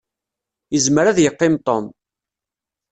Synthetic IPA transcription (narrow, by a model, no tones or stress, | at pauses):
jəzməɾæðjəqːɪmt̪ˤɔm